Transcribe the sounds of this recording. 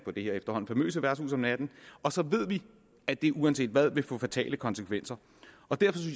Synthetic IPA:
pʰɒ̽d̥e̝heɐ̰efd̥ɐɦɒ̽n̩fɒmø̰ːsəʋæɐ̥sṵːsɒ̽mnæd̥n̩ɒ̽sɒ̽ʋe̝ð̞̰ˠʋi | æd̥e̝ʔuæns̬e̝̰ːd̥ʋæð̞ˠʋe̝fɔ̰̽ːfæt͡sʰɛ̰ːləkʰɒ̽nsəkʰʋen̰sɐ | ʔɒ̽d̥æɐ̰fɒ̽s̬yns

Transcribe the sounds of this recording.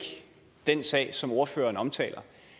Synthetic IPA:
d̥ensɛ̰ːɪsɒ̽mo̝ɐfø̰ːɐːnɒ̽mt͡sʰɛ̰ːlɐ

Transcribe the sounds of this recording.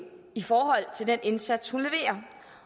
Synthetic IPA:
ifɒːhɒ̽l̰t͡sʰe̝ld̥ene̝nsæd̥shunle̝ʋe̝̰ːɐ

